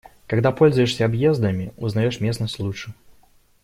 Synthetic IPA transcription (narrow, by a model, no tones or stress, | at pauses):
kaɡd̪apolʲzʊjɪʂsʲɐːbjezd̪əmʲɪʊznɐjoʂmʲesnəsʲt̪ʲlˠut͡ʂɨ